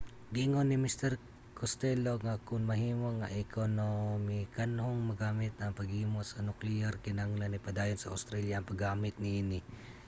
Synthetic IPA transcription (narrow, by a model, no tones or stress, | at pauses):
ɡiŋonimist̪ɛɾ | kʰost̪ɛloŋakʊnmɐɦiːmoŋaʔɪkʰonomɪkanhoŋmɐɡaːmɪt̪̚nɐŋpɐɡhiːmosɐnʊklɪaɾkɪnaŋlɐnipɐd̪aːjonsɐʔa̰st̪ɾaljaʔɐŋpɐɡaːmɪt̪̚nɪʔinɪ